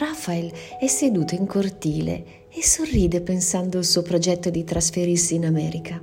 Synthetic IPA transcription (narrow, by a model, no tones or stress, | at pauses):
rafaelɛsːed̪uːt̪oiŋkort̪iːlḛ | esorːiːd̪epensand̪oalsuːopɾod͡ʒɛt̪ːod̪it̪ɾasfeɾirsiːnamɛːɾikʰa